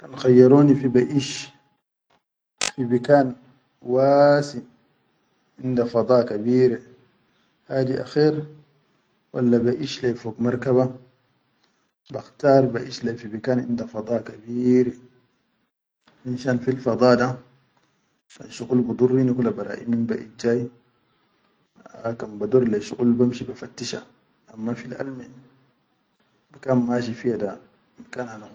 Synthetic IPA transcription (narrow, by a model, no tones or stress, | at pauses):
kanxajːɑɾuːnifibaʔiːʃ | fibikaːn | wasin | ʔind̪afɑd̪ˤɑːkabiːɾe | haːd̪iʔa̰xiːɾ | wa̰lːabaʔiːʃlajfoːɡmɑɾˤkaβa | baxt̪ɑːɾˤbaʔiːʃlafibikaːnʔḭnd̪afɑd̪ˤɑːkabiːɾ | minʃanfilfɑd̪ˤɑːd̪a | ka̰nʃuɣulbud̪ˤurːinikulːabaɾˤa̰ːʔḭmimba̰ʔḭt̚d͡ʒaːj | kanbad̪uɾlaʃṵɣulbamʃibafat̪ːiʃa̰ | ʔamːafilʔa̰lmi | bakamːaʃ̬ifijada | bakaːnhana